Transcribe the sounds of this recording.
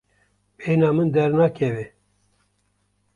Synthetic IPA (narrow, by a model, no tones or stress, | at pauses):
eːnɑːmɨnd̪ɛɾnɑːkʰɛve